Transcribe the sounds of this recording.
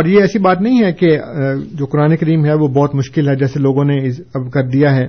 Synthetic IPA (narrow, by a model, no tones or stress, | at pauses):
ɔːɾjeɛːsibaːt̪nɐɦĩɦɛked͡ʒoːkʊɾaːnekɐɾiːmɦɛʋobɔːt̪mʊʃkɪlɦɛd͡ʒɛːseloːɡõneɪɐbkɐɾd̪ijaɦɛː